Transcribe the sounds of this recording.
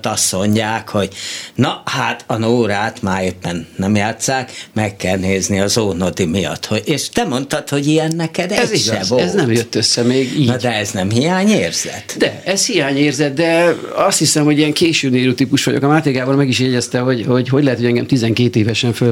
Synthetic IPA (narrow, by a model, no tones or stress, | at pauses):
t̪ɒst̪mo̞ɲɟaːkho̞ɟ̥nɒhat̪ɒnoːɾaːt̪maːɾepːɛnːɛmjaːt̪saːkmɛkːɛlneːzniɒzoːnod̪imijɒ̰t̪hoeːʃt̪ɛmo̞nt̪ɒt̪ho̞ɟijɛnːɛkɛd̪ɛɛziɡɛvoɛznɛmjøt̪ːøsːɛmeːɡiːnd̪ɛɛznɛmhijaːɲeːrz̥ɛ̰t̪d̪ɛɛzhijaːɲeːrzɛt̪̚d̪ɛ | ɒst̪hisɛmho̞ɟijɛŋkeːʃøːneːɾyːt̪iːpuʃʋɒɟo̰kɒmaːt̪ekaːboːlmɛɡiʃ̬jɛɟɛst̪ɛɦo̞ɟho̞ɟɦo̞ɟlɛɦɛt̪hoɟɛŋɡɛmt̪izɛŋkeːt̪eːvɛʃɛɱfø